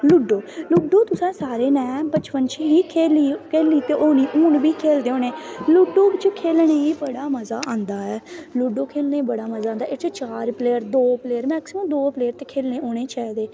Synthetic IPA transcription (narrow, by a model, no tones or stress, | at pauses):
lʊɖoːlʊɖoːt̪ʊsɛ̃ːsaːɾeːnɛ̃ːbət͡ʃpənt͡ʃɦiːkʰeːliːkʰeːliːt̪eːʔoːniːʔuːɳbiːkʰeːld̪eːoːneːlʊɖoːɪt͡ʃkʰeːlɳeːiːbəɽaːməzaːʔãːnd̪aːɛːlʊɖoːkʰeːlneːbəɽaːməzaːaːnd̪aːɪt͡ʃt͡ʃaːɾpleːəɾd̪oːpleːəɾmɛːksɪməmd̪oːpleːəɾt̪eːkʰeːlneːoːɽ̃eːt͡ʃɛːd̪eː